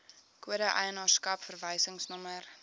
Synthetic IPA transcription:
kuəɾəʔə̰jənɑːrskɐpfərvəjsəŋsnɔmər

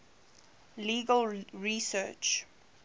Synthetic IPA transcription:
liːɡəlɹisɜt͡ʃ

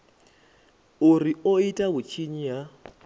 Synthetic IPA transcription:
uɾioitʼaβut͡ʃʰiɲija

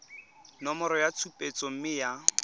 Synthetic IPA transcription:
nɔmɔɾɔjat͡sʰupʼet͡sɔm̩mɪja

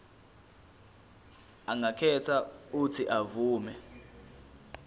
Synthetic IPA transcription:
aŋɡakʰɛtʰautʰiʔavuːmɛ

